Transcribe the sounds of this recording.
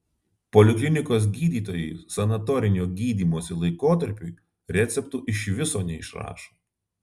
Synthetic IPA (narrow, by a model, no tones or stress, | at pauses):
pɔlʲɪklʲɪnʲɪkoːs̬ɡʲiːd̪ʲiːt̪oːjɛɪsɐnɐt̪ɔɾʲɪnʲoːɡʲiːd̪ʲiːmoɔsʲɪlˠɐɪkoːt̪ɐɾʲpʲuɪ | ɾʲɛt̪sʲɛpt̪uːʔɪʃʋʲɪsoːnʲɛɪʃɾɑ̰ːʃo̥